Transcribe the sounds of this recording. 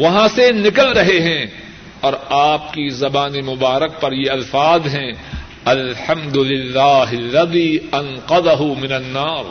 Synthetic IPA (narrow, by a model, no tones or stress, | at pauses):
ʋɐɦãsenɪkəlɾɐɦeɦɛ̃ | ɔːɾaːp̚kizɐbaːnemʊbaːɾək̚pɐɾjeɐlfaːd̪ɦɛ̃ | ɐlħɐ̃md̪ʊlɪlːaːɦɪlːɐðiːɐnqɐd̪ɐɦumɪnɐnːaːɾ